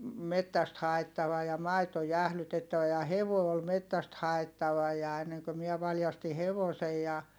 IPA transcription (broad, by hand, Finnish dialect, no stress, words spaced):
metːæst hɑetːɑʋɑ jɑ mɑito jæhlytetːæʋæ jɑ heʋoˑi̯ ol metːæst hɑetːɑʋɑ jɑ enːeŋkø miɛ ʋɑljɑsti heʋosej jɑ